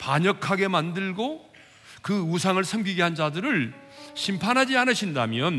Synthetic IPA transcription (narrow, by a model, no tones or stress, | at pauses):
paɲʌkʰaɡe̞mandɯɭɡo | kɯusʰaŋɯɭsʰʌmɡiɡe̞ɦand͡ʑadɯɾɯɭ | ɕʰimpʰanɦad͡ʑianɯɕʰindamjʌn